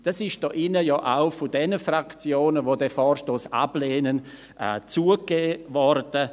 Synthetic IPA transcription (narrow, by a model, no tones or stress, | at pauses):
d̥asɪʃd̥ɔːʔɪnəjɔːʔaʊfʊdɛnəfrakt͡sjoːnəvoːdɛfɔːɾʃtoːsa̰b̥leːnən | ʔt͡suːəɡeːvɔrd̥ə